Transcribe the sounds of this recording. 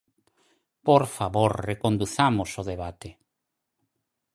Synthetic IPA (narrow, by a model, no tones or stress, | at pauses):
poɾfaβoɾrekond̪uθamosoðeβat̪e